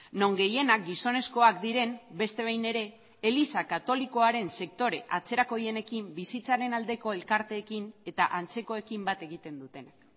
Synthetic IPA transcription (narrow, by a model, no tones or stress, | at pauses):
no̞ŋɡe̞je̞nak̚ɡiso̞ne̞sko̞akd̪iɾe̞mbe̞st̪e̞β̞ajne̞ɾe̞ː | lisakat̪o̞liko̞aɾe̞nse̞k̚t̪o̞ɾe̞ʔat͡se̞ɾako̞je̞ne̞kimbisit͡saɾe̞nald̪e̞ko̞e̞lkaɾt̪e̞ːkine̞t̪aʔant͡se̞ko̞e̞kimbat̪e̞ɣ̞it̪e̞nd̪ut̪e̞nak